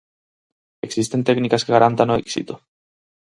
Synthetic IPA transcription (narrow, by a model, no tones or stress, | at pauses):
eksist̪ent̪ɛknikaskeɣaɾant̪anoḛksḭt̪ʊ̥